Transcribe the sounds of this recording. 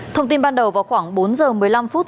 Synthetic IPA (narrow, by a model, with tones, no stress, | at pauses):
t̪ʰə˧wŋ͡mt̪i˧nɓaː˧nɗə˨˩wvaː˨˩wxwaː˧˩ŋɓo˨˦nzəː˨˩mɨ˨˩əjla˧mfu˦˥t̚